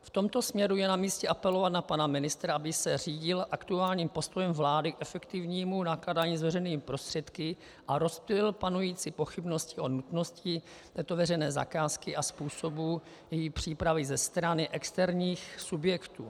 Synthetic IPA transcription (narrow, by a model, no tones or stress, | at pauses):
ft̪o̞mt̪o̞smɲɛɾujɛnamiːscɛʔapɛlo̞vat̪napanamɪnɪst̪ɾaʔabɪsɛriːɟɪlʔakt̪uaːlɲiːmpo̞st̪o̞jɛmvlaːdɪkʔɛfɛkt̪ɪvɲiːmunakladaːɲiːzvɛrɛjniːmɪpɾo̞st̪r̥ɛt̪kɪ | ʔaɾo̞spɛlɪlpanujiːt͡sɪpo̞xɪbno̞scɪʔo̞nut̪no̞scɪ | t̪ɛːt̪ovɛrɛjnɛːza̰kaːskɪʔaspuːso̞bu | jɛjipr̝̥iːpɾavɪzɛst̪ɾanɪʔɛkst̪ɛɾɲiːxsubjɛkt̪ṵː